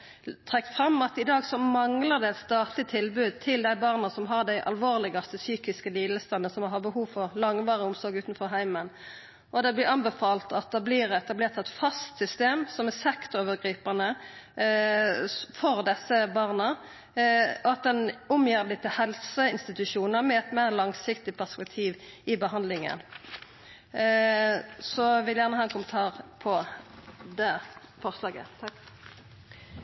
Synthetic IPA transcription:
t̪ʰʁɛkt̪fʁɑmɑt̪ɪd̪ɑːɡsɔmɑŋləʁd̪ɛɛt̪st̪ɑːt̪lɪt̪ʰɪlbʉːd̪̚t̪ʰɪld̪æɪbɑːʁnɑsɔmɦɑʁd̪æɪʔɑ̰lʋoːʁlɪɡɑst̪əsyːkɪskəliːd̪l̩st̪ɑnːəsɔmɑhɑʁbəhuːʋfɔʁlɑŋʋɑːʁəʊmsɔɾɡʉːt̪nfɔʁɦæɪmən | ʔɔd̪ɛblɪʁɑnbəfɑːlt̪ɑt̪̚d̪ɑblɪːʁɛt̪ɑbleːʁt̪ɛt̪fɑst̪sʏst̪eːmsɔmɛsɛkt̪oːʋəʁɡʁiːpɑnə | fɔʁd̪ɛsːəbɑʁnə | ɔɑt̪̚d̪ɛnʊmjiːʁb̪ɪt̪ʰɪhɛlsəɪnst̪ɪt̪ʉʃuːnəʁmɛɛt̪meːʁlɑŋsɪkt̪ɪpʰæʁspɛk̚t̪ʰiːʋɪbəɦɑnd̪lɪŋə̰n | sɔʋɪljæʁnəhɑːɛnkʰʊmənt̪ʰɑːʁpʰɔ | d̪eː | fɔʁslɑːɡə̰

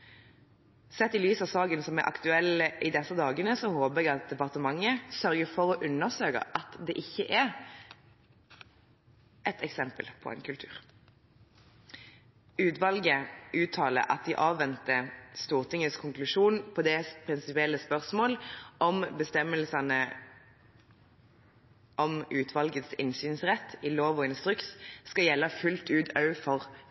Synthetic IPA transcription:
sɛt̪ːɪlyːsɑʋsɑːɡənsɔmɛʔɑ̰kt̪ʉɛlːəʔɪd̪ɛsːəd̪ɑːɡənəsɔhoːbəɛɡɑt̪̚d̪ɛpɑʁt̪əmɑŋːəsœʁɡəfɔʁɔʔʉnːəʁsøːkə̰ʔɑt̪d̪ɛːʔɪçːəʔɛʁ | ʔɛt̪ɛksɛmpəlpʰɔ̰ʔɛ̰ɪnkʰʉlt̪ʰʉːʁ | ʉːt̪ʋɑlɡəʔʉːt̪ʰɑːlə̰ʔɑ̰t̪̚d̪iːʔɑːʋʋɛnt̪əst̪uːʁt̪ʰɪŋəskʰʊŋklʉʃuːnpʰɔːd̪ɛspʰʁɪnsɪpɪɛlːəspœʁsmoːlɔmbəst̪ɛməlsɑnə | ʔɔmʉːt̪ʰʋɑlɡət̪sɪnsyːnsʁɛt̪ʰːiloːʋoːɪnst̪ʁʉksskɑjɛlːəfʉlt̪ʉːt̪ɑʉfɔʁ

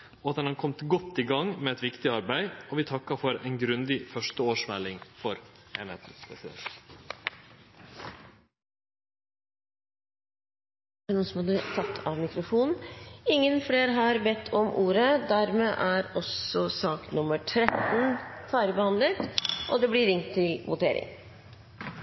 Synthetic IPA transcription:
ɔɑt̪ɛnhɑnkʰɔmt̪ɡɔt̪ːiɡɑŋmɛɛt̪ʋɪkt̪ɪɑɾbæɪɔʋɪːt̪ʰɑkːɑfɔɾæɪnɡɾʉnd̪ɪfœʂʈəoːʂmɛlːɪŋfɔɾeːnhḛːt̪n̩spʰɾɛ̰sɪd̪ɛ̰nt̪ | ænuːnsɔmɑd̪ət̪ʰɑt̪ʰːɑːʋmɪkɾʊfuːnɪŋːənfɽeːɾɦɑɾbɛt̪ʰːɔmʔuːɾəd̪æɾmeːʔæːɾɔsɔsɑːk̪nʊməʈʰɾɛt̪n̩fɑːɾəbəhɑnd̪lət̪ʔɔd̪ɛblɪɾɪŋt̪ʰːɪlʋʊt̪ʰeːɾɪ̰ŋ

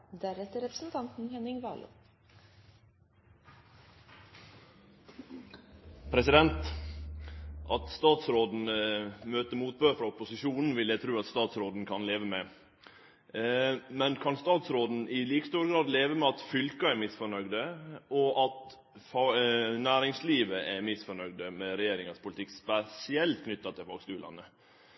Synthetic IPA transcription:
d̪æɾɛt̪əɾɛpɾsnt̪ʰɑnt̪n̩hɛnɪŋʋɑ̰ːlʊ̰ | pʰɾɛsɪd̪ɛnt̪ | ʔɑt̪st̪ɑːt̪sɾoːd̪n̩møːt̪əmuːt̪̚bøːɾfɾɑʊpʊsɪʃuːnn̩ʋɪljæt̪ʰɾʉːɑt̪st̪ɑːt̪sɾoːd̪n̩kʰɑnleːʋəmɛ | mɛnkʰɑnst̪ɑːt̪sɾoːd̪n̩ɪliːkəst̪uːɾəɡɾɑːd̪leːʋəmɛɑt̪fʏlkɑæɾmɪsfɔɾɳœɡd̪əɔʔɑt̪ | fɑnæːɾɪŋsliːʋəʔæmɪsfɔɳœɡd̪əmɛɾɛjeːɾɪŋɑspʰʊlɪt̪ʰɪkːspɛsɪɛlt̪kʰnʏt̪ːɑt̪ʰɪlfɑːɡskʉːlɑ̰nə

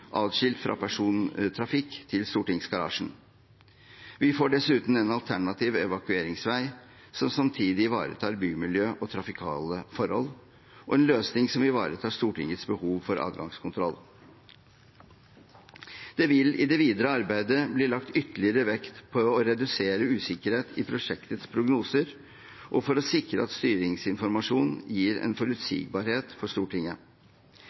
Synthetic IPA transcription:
ʔɑːd̪ʂɪlt̪fɾʔɑ̰pʰæʂuːnt̪ʰɾɑfɪkːt̪ʰɪlst̪uːʈɪŋsɡɑɾɑ̰ːʂn̩ | ʋɪfoːɖɛsʉːt̪n̩ɛnɑlt̪ʰæɳɑt̪ʰiːʋɛʋɑkʉeːɾɪŋsʋæɪ | sɔmsɑmt̪ʰiːd̪ɪʋɑ̰ːɾə̰t̪ʰɑːɾbyːmɪljøːʔɔt̪ʰɾɑfɪkʰɑ̰ːləfɔɾhɔ̰l | ʔɔɛnløːsnɪŋsɔmɪʋɑ̰ːɾət̪ʰɑːʂt̪uːʈɪ̰ŋət̪sbəhuːʋfɔɾʔɑ̰ːd̪ɡɑŋskʰʊnt̪ʰɾɔ̰lː | d̪̥ɛʋɪlɪd̪ɛʋiːd̪əɾəɑɾbæɪd̪əbliːlɑkt̪ʏt̪əlɪəɾəʋɛkt̪pʰɔːɾɛd̪ʉseːɾəʉːsɪkəɾheːt̪ʰɪpʰɾʊʂɛkt̪ət̪spʰɾʊɡnuːsəɾ | ʔɔfɔɾɔsɪkɾəɑt̪st̪yːɾɪŋsɪnfɔɾmɑʂuːnnjiːɾɛ̰nfɔɾʉt̪sḭːɡ̚bɑɾheːt̪fɔʂt̪uːʈʰɪŋə

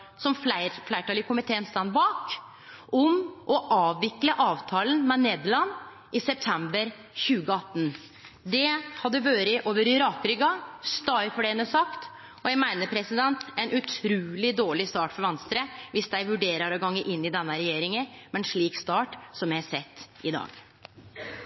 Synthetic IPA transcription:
sɔmfæɪflæɪʈɑlɪkʰʊmɪt̪ʰeːənst̪ɑnbɑːk | ʔɔmʔɔʔɑːʋːɪkləʔɑːʋt̪ʰɑːlənmɛneːd̪lɑnː | ɪsɛp̚t̪ʰɛmbəɾ | çʉːɡəɑt̪ːən | d̪ɛhɑd̪ːəʋøːɾəʔoːʋəɾɪɾɑkɾʏɡɑst̪ɑɾfɔɖɛnəsɑkt̪ | ɔjæɡmæɪnəpʰɾɛsɪd̪ɛnt̪ɛɪnʔʉt̪ʰɾʉːlɪd̪oːɭɪst̪ɑːʈfɔɾʋɛnst̪ɾəʋɪsd̪æɪʋʉɖeːɾəɾɔɡɑŋːəʔɪnːɪd̪ɛnːəɾɛjeːɾɪŋəmɛɛnʂɭiːkst̪ɑːʈsɔmjæɪhɑsɛt̪ːɪd̪ɑ̰ːɡ

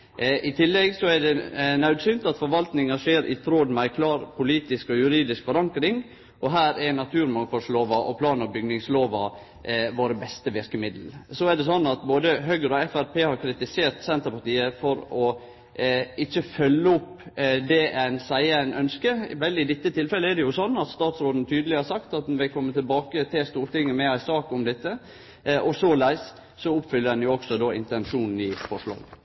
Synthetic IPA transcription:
ʔɪt̪ʰɪlːɛɡsɔæɖɛnɑʉd̪sʏnt̪ɑt̪fɔɾʋɑlt̪nɪŋɑʂeːɾʔɪ̰t̪ʰɾoːd̪mæɪkʰlɑːɾpʰʊliːt̪ɪskɔjʉɾiːd̪ɪskfɔɾɑŋkɾɪŋ | ʔɔɦæːɾɛɾnɑt̪ʰʉːɾmɑŋfɔlsloːʋɑʔɔpʰlɑːnəɾbʏɡnɪŋsloːʋɑ | ʋoːɾəbɛst̪əʋɪɾkəmɪd̪ləsɔɛɖɛsɔnːɑt̪boːd̪əɦœɡəɾɔɛfæɾpʰeːhɑɾkʰɾɪt̪ɪseːɾt̪sɛnt̪əɾpɑʈ̪iːəfɔɾɔ | ɪçːəfœlːəʊpːd̪ɛænsæɪəæɪnœnskəʋɛld̪ɪɪd̪ɪt̪ːət̪ʰɪlfɛləɛdɛjʊsɔnːɑt̪st̪ɑːt̪sɾoːd̪n̩t̪ʰyːd̪əlɪhɑːɾsɑkt̪ɑt̪̚d̪ɛnʋɪkʰɔmːət̪ʰɪlbɑːkət̪ʰɪlst̪uːɾt̪ɪŋːəmɛæɪsɑːkɔmd̪ɛt̪ːə | ʔɔsɔlæɪs | sɔʊpːfʏlːəɾdɛnjʊɔɡsɔd̪oːɪ̰nt̪ɛnʂuːnn̩ɪfɔʂɭɑ̰ːɡ

